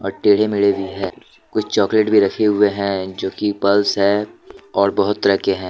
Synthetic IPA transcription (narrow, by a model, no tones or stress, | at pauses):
ɔːɾʈeːɽ̤emɪɭebʱiɦɛː | kʊt͡ʃʰt͡ʃɔːkleʈbʱiɾɐkʰeɦʊeɦɛ̃d͡ʒoːkipɐlsɦɛːɔːɾbɐɦʊt̪ːɾɛːkeɦɛ̃ː